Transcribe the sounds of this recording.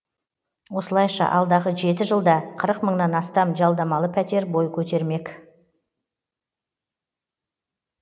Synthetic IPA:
wo̞səlˠɑjʃɑ̰ʔɑlˠd̪ɑʁəʒe̞t̪ɪʒəlˠd̪ɑqʰəɾəqməɴnɑnɑst̪ɑmʒɑlˠd̪ɑmɑlˠəpʰæt̪e̞ɾbo̞jkʲʰɵt̪e̞ɾme̞k

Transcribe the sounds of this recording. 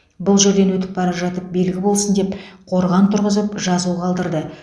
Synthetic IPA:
bʊlˠʒeɾd̪e̞nwɵt̪̬ɪ̥p̚bɑɾɑpʒɑt̪əp̚be̞lɡʲɪbo̞lˠsənd̪e̞pqʰo̞ɾʁɑnt̪ʰʊɾʁəzəpʒɑzuʁɑlˠd̪əɾd̪ə

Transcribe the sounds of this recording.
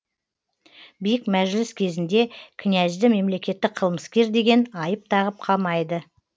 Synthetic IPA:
bijɪkmæʒɪlɪskʲʰe̞zɪnd̪e̞kʲʰʏnʲæʒd̪ɪme̞mle̞kʲe̞t̪ːɪk̚qʰəlˠməskʲe̞ɾd̪e̞ɡʲe̞nɑjəp̚t̪ʰɑʁəp̚qʰɑmɑjd̪ə

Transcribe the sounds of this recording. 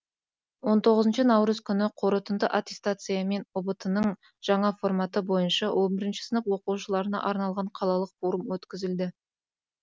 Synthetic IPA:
wo̞nt̪ʰo̞ʁəzənʃənɑwɾəzkʲʰʏnɪqʰo̞ɾət̪ənd̪əʔat̪ʲe̞st̪at̪sɨjame̞nobət̪ənəɴ | ʒ̥ɑɴɑfo̞ɾrmɑt̪əbo̞jənʃɑwʔo̞nbɪɾɪnʃɪ̥sənəfwo̞quwʃəlˠɑɾənɑ̰ʔɑɾnɑlˠʁɑɴqʰɑlˠɑlˠəqfoɾəmwɵt̪kʲɪzɪld̪ɪ

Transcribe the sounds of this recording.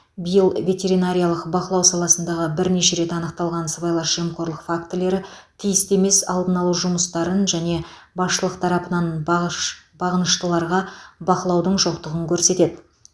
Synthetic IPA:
bəjəlˠvʲe̞t̪ʲe̞ɾinaɾʲijɑlˠəqbɑqəlˠɑwsɑlˠɑsənd̪ɑʁəbɪɾne̞ʃe̞ɾe̞t̪ɑnəqt̪ɑlˠʁɑnsəbɑjlˠɑɾʒemqo̞ɾlˠəqfakt̪ɪle̞ɾɪ | t̪ʰijɪst̪e̞me̞sɑ̰lˠd̪ənɑlˠuʒʊməst̪ɑɾənʒæne̞bɑsʃəlˠəqt̪ʰɑɾɑpənɑn | b̥ɑʁənəʃt̪əlˠɑɾʁɑbɑqəlˠɑwd̪əɴʒo̞qt̪əʁəŋkʲʰɵɾse̞t̪e̞d̪ɪ

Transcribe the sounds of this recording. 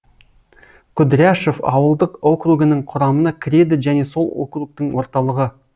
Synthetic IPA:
kʲʰʊd̪ɾʲæʃo̞fɑ̰wəlˠd̪əqo̞kruɡənəɴqʰʊɾɑmənɑkʲʰɪɾe̞d̪ɪʒæne̞so̞lˠo̰kruk̚t̪əɴwo̞ɾt̪ɑlˠəʁə

